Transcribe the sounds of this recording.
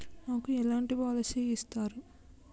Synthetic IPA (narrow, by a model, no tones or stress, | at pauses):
naːkuɛlaːɳʈiʋaːlɐseist̪aːɾu